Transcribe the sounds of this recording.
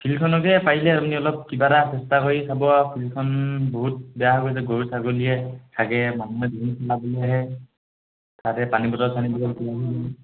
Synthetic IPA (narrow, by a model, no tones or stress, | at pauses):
pʰilkʰɔnɔkɛpailɛmniɔlɔp̚kibaɾasɛstakoɹisʰabɔapʰilkʰɔnboɦut̚bɛjaɦkoizɛɡoɹsaɡolijɛsʰaɡɛmanuɛdibʱinisʰɔlabɔleaɦɛ | tatɛpanibɔtɔɹsʰanibɔlɔkɔaɦ